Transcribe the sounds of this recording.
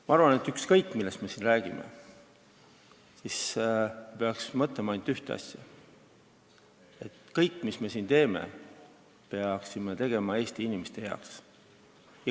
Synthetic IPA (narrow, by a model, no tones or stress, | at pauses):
mɑɑrvɑne̞t̪ːˑykskɤjkːˑmilːe̞st̪me̞sinræːɡ̥imḛ | sis | pe̞ɑksmɤt̪lemɑɑnd̪yht̪eɑ̰sʲjɑ̰ | e̞t̪kɤjkːˑmisme̞sint̪e̞ːmḛ | peɑksimet̪e̞ɡ̥e̞mɑe̞ːst̪iinʲimest̪e̞jɑ̰o̰ks